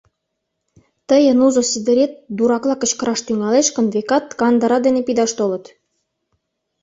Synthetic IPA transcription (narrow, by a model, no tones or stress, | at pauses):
t̪əjə̆nuzosid̪ə̆ɾet̪̚d̪uɾɑklˠɑkə̆t͡ɕkə̆ɾɑʃt̪yŋɑleʃkə̆nd̪vekɑt̪̚kɑnd̪ɑɾɑd̪enepid̪ɑʃt̪olə̆t̪